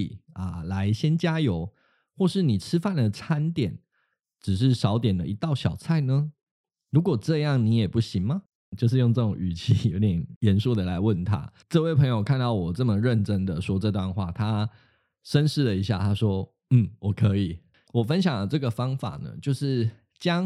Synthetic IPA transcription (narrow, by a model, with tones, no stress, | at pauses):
i˨˩ɐ̰˨la˧˦ɪɕjɛ˥nt͡ɕja˥jo˧˥ʊ | xwɔ˥˧ʂɻ̩˥˩ni˨˩ʈ͡ʂʰɻ̩˥fa˥˩nd̪ə˩t͡sʰa˥nt̪jɛ˨˩˦n | ʈ͡ʂɻ̩˨˩ʂ̬ɻ̩˥˩ʂɑ˧˦ʊt̪jɛ˨˩nd̪ə̰˦˨i˧˦t̪ɑ˥˩ʊɕjɑ˨˩ʊt͡sʰa˥˩ɪnə˦ | ɻu˧˥kwɔ˨˩ʈ͡ʂɤ˥˧jɑ˥˩ŋni˧˥jɛ˨˩pu˥˩ɕi˧˦ŋmɐ˨ | t͡ɕjo˥˧ʊʂ̬ɻ̩˥˧jo˥˧ŋʈ͡ʂɤ˥˩ʈ͡ʂʊ˨˩ŋy˨˩t͡ɕʰi˥jo˧˥˩t̪jɛ˨˩njɛ˧˦˥nsu˥˩d̪ə˩la˧˦ɪwə˥˨nt̪ʰa̰˦˥ʈ͡ʂɤ˥˧we˥˩ɪpʰɤ˧˥ŋjo˨ʊkʰa˥˧nt̪ɑ˥˩ʊwɔ˨˩ʈ͡ʂə˥˩mə˨ɻə˥˨nʈ͡ʂə˦nd̪ə˨ʂwɔ˥ʈ͡ʂɤ˥˧t̪wa˥˧nxwa̰˥˩t̪ʰa˦ | ʂə˦nʂɻ̩˥˩lə˩i˧˥ɕja̰˥˩t̪ʰa˥ʂwɔ˥ | n̩˥˩wɔ˨˩kʰɤ˧˦˥i˨˩ | wɔ˨˩fə˦nɕjɑ˨˩ŋlə˦ʈ͡ʂɤ˥˩ɡə˩fɑ˥ŋfa̰˨˩nə̰˩t͡ɕjo˥˧ʊʂɻ̩˥˩ | t͡ɕjɑ˥ŋ